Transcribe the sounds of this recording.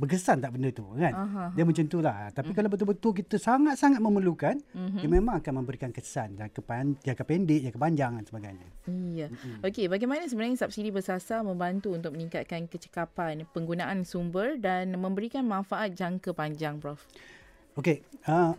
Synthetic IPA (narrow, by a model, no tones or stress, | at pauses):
bəkəsant̪aʔbəndət̪ṵkanaɦadiəmə̃ɲt͡ʃənt̪ulaht̪apikalawbət̪ubət̪uk̬it̪əsaŋat̪̚saŋat̪̚məməlukanm̩jaŋmemãŋakanmə̃mbəɾikankəsanjakəpajakəpɛndɪʔjakəpaɲd͡ʒaŋansəbaɡa̰jɲa̰ijaokebaɡamanas̬əbənajɲsap̚sidibəsasamə̃mbant̪uunt̪̬ʊk̚məniŋkat̪̚kankət͡ʃə̥kapanpəŋɡunaʔansumbərdanmə̃mbəɾikanmãnfaʔat̪̚d͡ʒaŋkəpaɲd͡ʒaŋpɾɔf | okeə